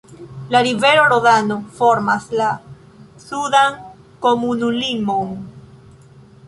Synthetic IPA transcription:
laɾive̞ɾoɾoðano̞fo̞ɾmasla | sudaŋ | ko̞munulimo̞n

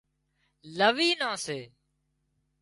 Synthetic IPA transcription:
ləʋiːnãːseː

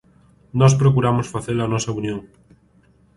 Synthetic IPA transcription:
nɔs̬pɾokuɾamʊsfaθelɐnɔsɐunjoŋ

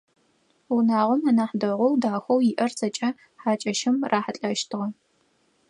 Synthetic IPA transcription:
wʊnaːʁʷɔmaːnaːħdɐʁʷɔwdaːxʷɔwjɪʔɐrzɐt͡ʃʼɐ | ħaːt͡ʃʼɐʃɪmraːħɐɬʼɐʃtʰɨʁɐ

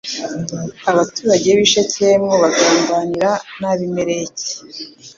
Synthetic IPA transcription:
aβatuːɾaɟe̞βiʃet͡semŋoβaɡaːmbaniɾanaβime̞ɾe̞ce̥

